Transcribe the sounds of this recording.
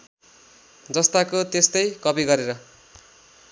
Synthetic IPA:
d͡zʌst̪akot̪est̪ʌjkʌpiɡʌɾeɾʌ

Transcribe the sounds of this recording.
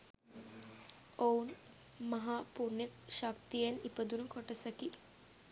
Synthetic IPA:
oun | mɐɦaːpuɾnjɐkʃɐkt̪ijenipɐd̪unukɔʈɐsɐki

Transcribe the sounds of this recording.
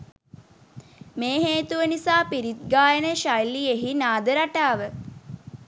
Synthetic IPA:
meːɦeːt̪uʋənisaːpiɾit̪̚ɡaːjənəʃajlieɦinaːd̪əɾaʈaːʋə

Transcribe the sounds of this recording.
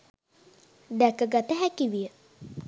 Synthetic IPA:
d̪ækəɡat̪əɦækiʋijə

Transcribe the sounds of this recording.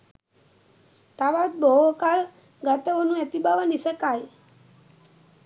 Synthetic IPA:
t̪aʋat̪̚bɔɦokal | ɡat̪əonũet̪ibaʋənisəkaj

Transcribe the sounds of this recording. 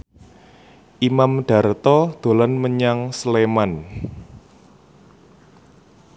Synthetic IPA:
ʔimamɖ̥a̤rt̪ɔd̪̥o̤lanməɲaŋsleman

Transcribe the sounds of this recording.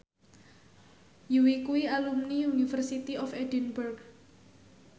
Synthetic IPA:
juwikuialumniunifərsit̪iɔfɛdinburk

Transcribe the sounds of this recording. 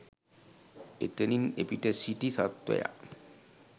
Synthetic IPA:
et̪eninepiʈesiʈisat̪wḛja̰

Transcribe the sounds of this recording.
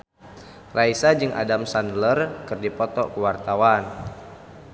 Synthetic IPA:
raisad͡ʒɨŋʔa̰damsandlərkərdipɔt̪ɔkəwart̪awan

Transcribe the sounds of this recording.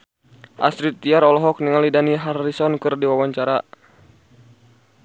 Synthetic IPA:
ʔa̰sɾit̪ːiaɾɔlɔɦɔk̚niŋalidaniɦarisɔnkɨrdiwawaɲt͡ʃaɾa

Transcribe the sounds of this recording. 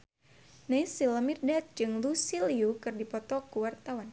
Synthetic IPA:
najsiləmirdat̪̚d͡ʒɨŋlusiliukɨrdipɔt̪ɔkuwart̪awan

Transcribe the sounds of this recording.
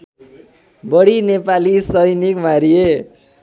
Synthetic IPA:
bʌɽinepalisʌjnikmaɾie

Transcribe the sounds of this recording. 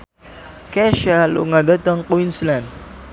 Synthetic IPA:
kɛʃalṵŋadat̪aŋkuwinslan

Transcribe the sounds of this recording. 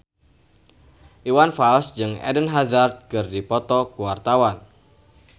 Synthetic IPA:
ʔiwanfalsd͡ʒɨŋɛ̰dənɦazard̪̚kɨrdipɔt̪ɔkuwart̪awan

